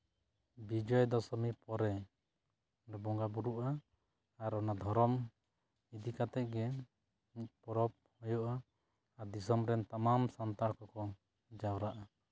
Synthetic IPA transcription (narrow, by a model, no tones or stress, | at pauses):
bid͡ʒɔjd̪ɔsɔmipɔɾɛ | ɾɛbɔŋɡabuɾuʔaː | ɾɔnad̪ʱɔɾɔm | id̪ikat̪ɛʔ̚ɡɛ | pɔɾɔp̚hɔjɔʔaː | ɾd̪isɔmɾɛnt̪amamsant̪aɽkɔkɔ | d͡ʒawɾaʔa